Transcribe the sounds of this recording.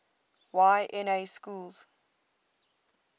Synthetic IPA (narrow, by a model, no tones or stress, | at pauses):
waɪʔɛneɪskulz̥